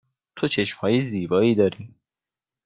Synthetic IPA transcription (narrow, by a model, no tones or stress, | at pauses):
t̪ʰot͡ʃʰe̞ʃmhɒːjeziːbɒːiːd̪ɒːɾiː